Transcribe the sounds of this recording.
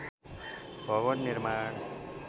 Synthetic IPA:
bʱʌʋʌnːiɾmaɳ

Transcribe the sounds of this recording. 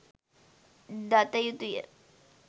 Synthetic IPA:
d̪at̪ajut̪ujɛ̰

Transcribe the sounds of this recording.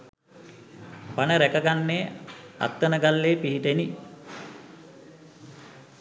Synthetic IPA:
panəɾækəɡanːeːa̰t̪ːənəɡalːeːpiɦiʈeni

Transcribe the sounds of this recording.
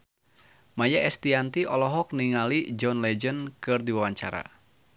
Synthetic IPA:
majaʔɛst̪iant̪iʔɔlɔɦɔk̚niŋalid͡ʒɔnlɛd͡ʒənkɨrdiwawaɲt͡ʃa̰ɾa̰

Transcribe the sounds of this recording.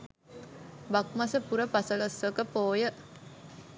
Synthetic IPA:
bak̚masəpuɾəpasəlosʋəkəpoːjə

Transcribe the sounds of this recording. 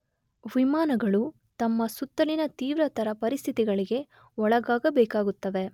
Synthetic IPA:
ʋimaːnɐɡɐɭu | t̪ɐmːɐsut̪ːɐlinɐt̪iːʋɾɐt̪ʰɐɾɐpɐɾist̪ʰit̪iɡɐɭiɡe̞ | ɔɭɐɡaːɡɐbɛːkaːɡut̪ːɐʋe̞

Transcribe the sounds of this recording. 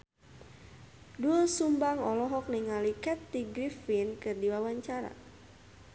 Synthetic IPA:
duɔsumbaŋɔlɔɦɔk̚niŋalikɛt̪ːiɡɾifinkɨrdiwawaɲt͡ʃaɾa̰

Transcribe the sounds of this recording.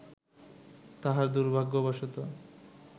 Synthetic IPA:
t̪aɦaɾd̪uɾbʱaɡːobaʃot̪o

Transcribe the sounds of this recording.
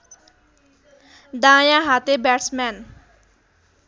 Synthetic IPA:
d̪ãːjãɦat̪ebɛʈsmɛn

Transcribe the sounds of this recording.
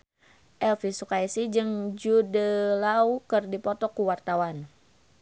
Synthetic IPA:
ʔɛlfisukaisid͡ʒɨŋd͡ʒudəlaukərdipɔt̪ɔkuwart̪awan

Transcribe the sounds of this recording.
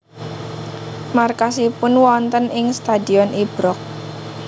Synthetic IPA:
markasipʊnwɔnt̪ənʔɪŋst̪ad̪iɔnʔib̥ɾɔk̚

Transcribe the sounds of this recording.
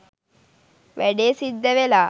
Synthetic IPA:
ʋɛɖeːsid̪ːɛʋelaː

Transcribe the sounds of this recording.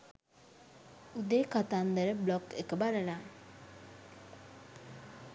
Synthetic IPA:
ud̪eːkat̪and̪əɾəblɔkekəbaləna

